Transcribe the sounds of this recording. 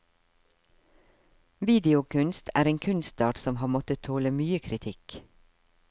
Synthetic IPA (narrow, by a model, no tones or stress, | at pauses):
ʋiːd̪ɪʊkʰʉnst̪ʰæ̰ːɾeːŋkʰʉnst̪ɑːʈsɔmhɑːmɔt̪ət̪ʰoːləmyːəkʰɾɪt̪ʰɪk